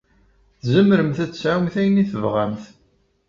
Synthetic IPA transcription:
θzəmɾəmθæt͡sːsʕwmθæjəniθəvʁæmθ

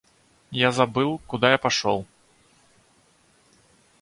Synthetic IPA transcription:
jazabɨlˠkud̪ajapaʂɔw

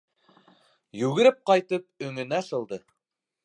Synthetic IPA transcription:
jʉɣɘ̆ɾɘp̚qɑjt̪ɤp̚ɵ̆ŋɵ̆næsɤ̆lˠd̪ɤ

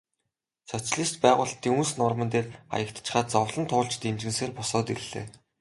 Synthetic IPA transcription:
t͡sʰɔt͡sɮiːst̪pæːʁʊːɬt̪ːiːŋunsnʊrmə̆nt̪eːra̰jə̆kt̪t͡ɕχaːt̪t͡sɔwɮə̆nt̪ʰʊːɮt͡ɕt̪ent͡ɕɘ̆nseːrpʊsɔːt̪irɮḛː

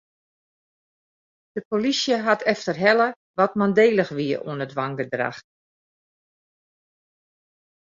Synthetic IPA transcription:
d̥əpolisjəɦatʰɛftərɦɛlə | ʋɔtmandeːlˠəxʋiəṵənədʋaŋɡədra̰x

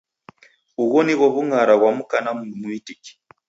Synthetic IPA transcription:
uɣɔniɣwɔβuŋaɾaɣwamukanamumuitiki̥

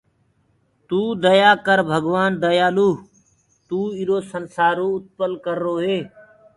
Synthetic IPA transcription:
t̪uːd̪əjaːkəɾbʱəɡʋaːnd̪əjaːluː | t̪uːɪɾoːsənsaːɾoːʊt̪̚pəlkəɾːoːɦeː

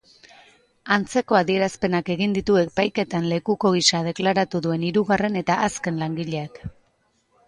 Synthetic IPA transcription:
ant͡se̞ko̞aðie̞ɾaspe̞nake̞ɣind̪it̪ue̞kpajke̞t̪anle̞kuko̞ɣ̞isað̞e̞klaɾat̪uðue̞niɾuɣare̞ne̞t̪aʔaske̞nlaŋɡiʎe̞ak

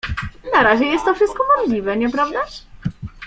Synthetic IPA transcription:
naɾaʑɛjɛst̪ːɔfʂɘst̪̚kɔmɔʐlʲivɛɲɛpɾavd̪a

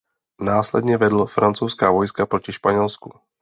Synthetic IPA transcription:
naːslɛ̰dɲɛvɛdl̩fɾʔant͡sowskaːvo̞jskapɾocɪʃpaɲɛlskṵ

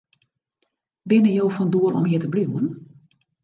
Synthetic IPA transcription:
bɪnəjowfɔnduəlɔ̰mɦiətəbliwən

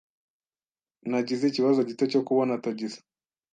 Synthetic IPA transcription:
naɟiziciβazo̞ɟitecokuβonataɟizḁ

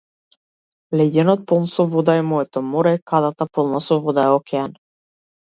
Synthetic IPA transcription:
lɛɟ̪ɛnɔt̪̚pɔlˠnsɔvɔd̪aɛmɔɛt̪ɔmɔɾɛkad̪at̪apɔlˠnasɔvɔd̪aɛɔkɛan

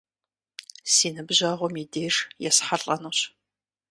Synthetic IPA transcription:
siːnɨbʑɐʁʷɔmideːrjɛsħaɬʼɐnuɕ

